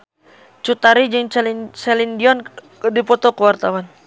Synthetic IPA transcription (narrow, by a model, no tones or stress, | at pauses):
t͡ʃut̪aɾid͡ʒɨŋsɛlindiɔn | dipɔt̪ɔkəwart̪awan